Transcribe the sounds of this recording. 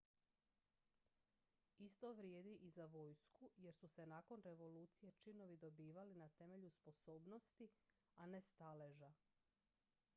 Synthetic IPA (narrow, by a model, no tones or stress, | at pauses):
ist̪o̞ʋɾjeːd̪iʔizaʋo̞ːjskuje̞ɾsuse̞naːko̞nɾe̞ʋo̞luːt̪sije̞t͡ʃino̞ʋid̪o̞biːʋalinat̪e̞me̞ʎuspo̞so̞ːbno̞st̪i | ane̞st̪ale̞ʒa